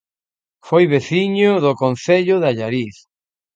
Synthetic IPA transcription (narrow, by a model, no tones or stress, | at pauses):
fojβeθiɲʊðʊkon̟θeʎʊðaʎaɾiθ